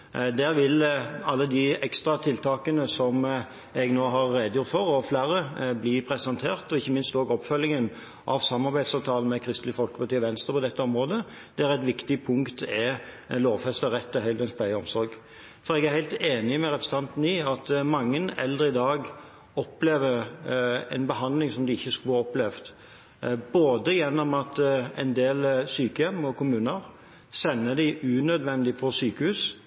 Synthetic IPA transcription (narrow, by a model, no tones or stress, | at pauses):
d̪æːɾʋɪlɑlːəd̪ɪɛkst̪ɾɑt̪ʰɪlt̪ʰɑːkənəsɔm | ɛɡnoːɦɑɾːeːd̪əjʊt̪fɔɾɔflæːɾəbliːpʰɾɛsɑnt̪ʰeːʁt̪ɔɪçːəmɪnst̪oːɡɔpfœlːɪŋən | ʔɑ̰ʋsɑmːɑʁbæɪd̪sɑʋt̪ʰɑːlənmɛkʰɾɪst̪lɪfɔlkəpɑt̪yːʋɛnst̪ʁəpɔd̪ɛt̪ːəɔmɾoːd̪ə | d̪̥ɛæɾæt̪ʋɪkt̪ɪpʰʊŋkt̪ɛ | loːʋfɛst̪əʁɛt̪ːɛhœʏd̪ɛnspʰlæɪəɔmsɔɾɡ | fɔɾɛɡæʁhæɪt̪eːnɪmɛɾɛpɾəsət̪ɑnt̪n̩iːɑt̪mɑŋːənɛ̰ld̪ʁəɪd̪ɑːɡ | ɔpleːʋəɾ | ɛ̰nbəɦɑnd̪lɪŋsɔmd̪ɪɪçːəskʉlhɑɔplɛʋt̪ | boːd̪əjɛnːɔmɑt̪ɛ̰nd̪eːlsyːkəjɛmːɔkʰʊmʉːnəɾ | sɛnːəd̪ɪɪʉnœd̪ʋɛnd̪ɪpʰɔsyːkəhʉːs